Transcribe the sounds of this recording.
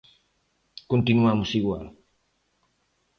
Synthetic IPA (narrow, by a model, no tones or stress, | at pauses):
kunt̪inuamusiwa